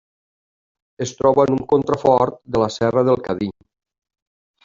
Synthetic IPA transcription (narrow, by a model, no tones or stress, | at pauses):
est̪ɾɔβəːnuŋkont̪ɾafɔɾt̪̚d̪ələsɛrəðəlˠkaðiɲ